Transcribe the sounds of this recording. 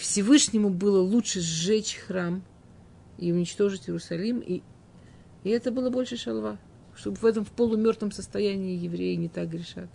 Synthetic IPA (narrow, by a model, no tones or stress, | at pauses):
fsʲɪvɨʂnʲɪmʊbɨlˠəlˠutʂɨzːɛt͡ɕxram | iʊnʲɪt͡ɕt̪o̞ʐɨtʲɪɾʊsɐlʲimiː | ɛt̪əbɨlˠəbo̞lʲʂɨʂɐlˠva | ʂt̪o̞bɨvɛt̪əmfpəlˠʊmʲo̞rt̪vəmsəst̪ɐjænʲɪːjɪvɾʲejɪnʲɪt̪ak̚ɡɾʲɪʂa̰t̪ʲ